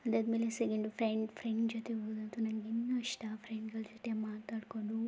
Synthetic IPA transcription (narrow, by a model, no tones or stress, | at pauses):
ɐd̪ɐd̪mileseɡeɳɖupʰɾeɳɖfʰɾeɳɖd͡ʒoːt̪eɦoːd̪ɐnt̪unɐŋɡinːuɐʂʈapʰɾeɳɖɡɐɭd͡ʒot̪emaːt̪aːɽkoɳɖu